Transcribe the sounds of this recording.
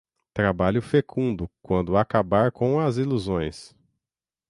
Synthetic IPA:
t̪ɾabaʎʊfekʰũnd̪ʊkwɐ̃nd̪ʊakabaɾkõw̃ɐziluzõj̃s

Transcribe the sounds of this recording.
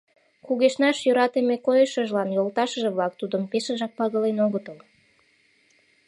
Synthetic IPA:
kuɣeʃnɑʃjøɾɑt̪emekojəʃəʒlɑnjolt̪ɑʃəʒĕβlɑk̚t̪ud̪əmpeʃəʒɑk̚pɑɣəlenoɣət̪əl

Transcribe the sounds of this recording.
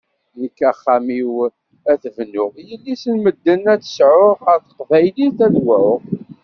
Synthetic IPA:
nəkːæχːæmiw | æθvnʊʁjəlːisənməd̪ːənæt͡sːə̥sʕʊʁəɾθə̥qvæjliθæðwæʁ

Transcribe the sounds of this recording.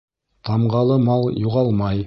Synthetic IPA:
t̪ʰɑmʁɑlˠəmɑlˠjuʁɑlˠmɑj

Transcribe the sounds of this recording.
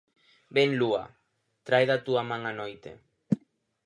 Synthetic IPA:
benlua̰ | t̪ɾajðat̪uamaŋanojt̪ḛ

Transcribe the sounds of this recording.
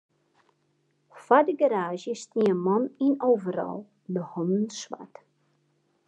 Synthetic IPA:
fadəɡaɾaːʒjəstniəmɔninowvəɾɔ̰lˠ | dəhɔnənswa̰t

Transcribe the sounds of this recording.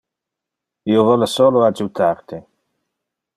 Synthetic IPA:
iovɔlesoːload͡ʒut̪ʰaɾt̪e

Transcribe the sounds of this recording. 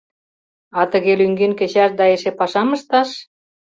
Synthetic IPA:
ɑt̪ə̆ɣelyŋɡenkĕt͡ɕɑʃd̪ɑeʃepɑʃɑmə̆ʃt̪ɑʃ

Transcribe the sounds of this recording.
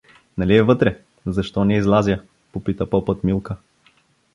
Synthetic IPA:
nɐliɛvɤt̪ɾɛ | zɐʃt̪ɔnʲɛizlˠazʲjə | popit̪əpɔpɤt̪milˠkə

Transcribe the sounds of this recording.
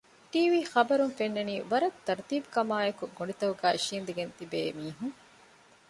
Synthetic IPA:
ʈiːʋiːxɐbɐɾunfenːɐniːʋɐɾɐt̪ːɐɾt̪iːbukɐmaːekuɡonit̪ɐɦuɡæːiʃiːnd̪eɡent̪ibeːmiːɦuŋ

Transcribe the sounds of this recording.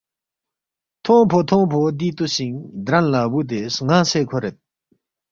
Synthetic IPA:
t̪ʰoŋpʰot̪ʰoŋpʰod̪it̪uɕiŋd̪ɾaŋlabut̪̬esŋaseːkʰoɾet̪̚

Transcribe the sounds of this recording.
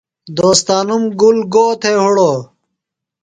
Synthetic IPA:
d̪oːst̪aːnumɡulɡoːt̪ʰeɦuɽoː

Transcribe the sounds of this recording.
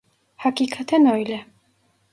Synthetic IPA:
hakikʰat̪ʰɛnɔjlɛ

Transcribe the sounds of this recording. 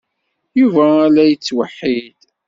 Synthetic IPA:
juvæːlæjət͡sːwəħːid̪

